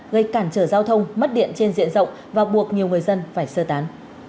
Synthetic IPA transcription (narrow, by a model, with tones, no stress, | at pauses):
ɣə˧jkaː˧˩nt͡ɕəː˧˩zaː˧wt̪ʰə˧wŋ͡mmə˦˥t̚ɗḭ˧˨ənt͡ɕe˧nzḭ˧˥ənzə̰˧˨wŋ͡m | vaː˨˩ɓu˨˩ək̚ɲi˨˩əwŋɨ˨˩əjzə˧nfaː˧˩jsəː˧t̪aː˨˦n